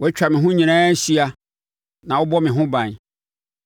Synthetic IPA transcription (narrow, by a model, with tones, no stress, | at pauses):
wʔɛ˦t͡ɕᶣa˨mɪ̃˨ɦʊ̃˦ɲĩ˨nãː˦ɕi˦a˦ | nã˨wʊ˦bɔ˦mɪ̃˨ɦʊ̃˦bã˨n